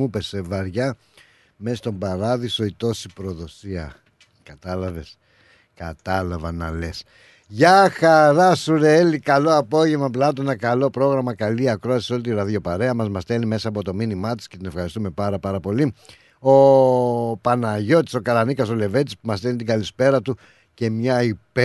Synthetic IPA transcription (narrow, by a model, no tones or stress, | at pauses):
upe̞sevɐɾʝɐ | mest̪o̞mbɐɾɐðiso̞it̪o̞si̥pɾo̞ðo̞siɐ | kɐt̪ɐlɐve̞s | kɐt̪ɐlɐvɐnɐ̰le̞s | ʝɐxɐɾɐsuɾeelikɐlo̞ɐpo̞ʝe̞vmɐplɐt̪̬oenɐkɐlo̞pɾo̞ɣɾɐmɐkɐliɐkɾo̞ɐsiso̞lit̪iɾɐðjo̞pɐɾe̞ɐmɐzmɐst̪e̞lime̞sɐːpo̞t̪o̞minimɐt̪i̥skcet̪ine̞fxɐɾist̪ume̞pɐɾɐpɐɾɐpo̞li | o | pɐnɐʝo̞t̪i̥so̞kɐlɐnikɐso̞le̞ve̞t̪ispumɐst̪elit̪iɡɐlispe̞ɾɐt̪u | ce̞mɲɐip